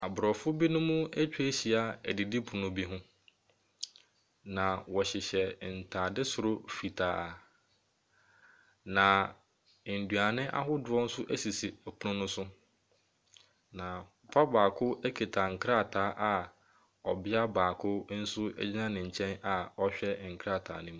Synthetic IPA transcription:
a˨bʊ˨ɾɔ˨fʊ˦bi˦nʊ̃˦mũ˦æ˦t͡ɕᶣe˦ɕi˨a˨ɛ̰˨di˨di˦pʰʊ˨nʊ̃˦bi˦ɦʊ̃˦ | nã˨wɔ˨ɕɪ˨ɕɛ˨n̩˨tʰaː˨dɪ˦sʊ˨ɾʊ˦fi˨tʰaː˨ | nã˨ | n̩˨du˨a˨nɪ̃˦ʔa̰˦ɦʊ˦dʊ˨ɔ˦n̩˦sʊ˦ʔæ˦si˨si˨æ˨kʰʊ˦nʊ̃˦nʊ̃˦sʊ˦ | nã˨ | pʰa˦baː˨kʰʊ˦ʔæ˦kʰe˨tʰa˨ŋ̩˨kʰɾa˦˨tʰaː˨˦ʔa˨ | ɔ˨bɪ˦a˦baː˨kʰʊ˦n̩˦sʊ˦ɛ̰˦d͡ʑi˦nã˦nɪ̃˨ɲ̩˨t͡ɕʰɛ̃˦na˨ɔ˦ɕᶣɛ˦˨ŋ̩˨kʰɾa˦˨tʰa̰ː˨nɪ̃˦mũ˨

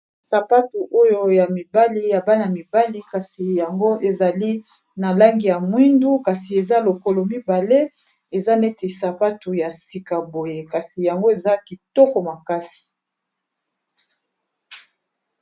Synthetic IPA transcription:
sa˨pa˦tu˨ʔo˦jo˦ja˨mi˨ba˦li˦ja˨ba˦na˨mi˨ba˦li˦ka˨si˨ja˨ŋɡo˦ʔe˨za˨li˦ | na˨la˦ŋɡi˨ja˨mwi˦ndu˦ka˨si˨e˨za˦lo˨ko˦lo˨mi˦ba˨le˦ | e˨za˦ne˦te˨sa˨pa˦tu˨ja˨si˨ka˨bo˨je˨ka˨si˨ja˨ŋɡo˦e˨za˦ki˨tɔ˦kɔ˨ma˨ka˦si̥˨

